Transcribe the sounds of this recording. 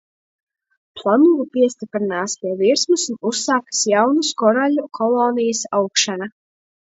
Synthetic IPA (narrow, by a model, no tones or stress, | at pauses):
plˠanuvupiɛsʲt̪ʲipɾinaːspʲiɛviɾsmusunusːaːkḁsjawnuskɔɾalʲukʰɔlˠoːnijəsawkʃana